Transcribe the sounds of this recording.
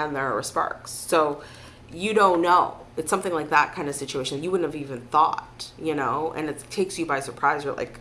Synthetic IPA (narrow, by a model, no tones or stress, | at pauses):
ɨ̃nðə˞ə̰˞spɑ̰ɹksːoʊ | jɨɾõʊ̃nːoʊ | ɨtsʌ̃mθɪ̃ŋlaɪk̚ðət̚kʰãɪ̃ndɨsɪt͡ʃueɪʃnjɨwʊdⁿn̩hɨvivɨ̃nθɔ̰t̚jɨnoʊʔɨ̰̃nɨttʰːeɪksjɨbaɪsə˞pʰɹ̥aɪzə˞la̰ɪk